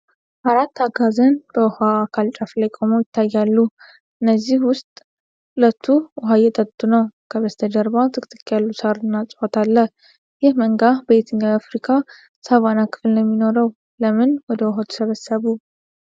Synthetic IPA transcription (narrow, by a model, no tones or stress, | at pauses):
ʔaɾat̪ʰːaɡazənb̥əɔhaːkʰalt͡ʃʼaflajkʼo̞məwjɪt̪ʰːajːalːu | ʔɨnːəzːihwʊst̪ʼ | ulət̪ʰːuʔɔɦajɛt̪ʼətt̪ʼːunəwkʰəβəst̪ʰəd̪əɾbat̪ʰɨkʼt̪ʼɨkʼːjalːusaɾɨnːat͡sʼhot̪ʰalːəh | jɪhməŋɡabəet̪ʰɨɲːawafɾikʰa | saβanakʰɨ̥fɨlnɛmːino̞ɾəw | ləmɨnwɔd̪əwɦot̪ʰu̥səβəsːəβu